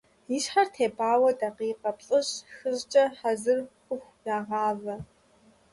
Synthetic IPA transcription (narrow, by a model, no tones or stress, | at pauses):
jiɕħartʰeːbaːwɐdaqiːqɐpɬʼɨɕxɨʑt͡ʃʼɐħazɨrxʷʊxʷd̥aːʁɑːvɐ